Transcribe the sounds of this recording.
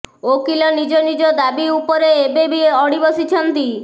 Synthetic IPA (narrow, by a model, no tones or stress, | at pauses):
okilɔnid͡ʒɔnid͡ʒɔd̪abiupɔɾeebebiɔɽibɔsit͡ʃʰɔnt̪i